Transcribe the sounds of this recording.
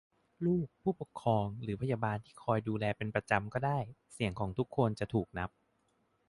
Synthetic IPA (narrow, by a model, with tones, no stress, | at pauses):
luː˥˩k̚pʰuː˥˩po˨˩kʰːɔː˧ŋɾɯː˩˦pʰa˧jaː˧baː˧nt̪ʰiː˥˩kʰɔː˧jduː˧lɛː˧pe˧npɾa˧t͡ɕa˧mkɔː˥˩daː˥˩jsi˨˩əŋkʰɔː˩˦ŋt̪ʰu˦˥kʰːo˧nt͡ɕa˨˩t̪ʰuː˨˩k̚na˦˥p̚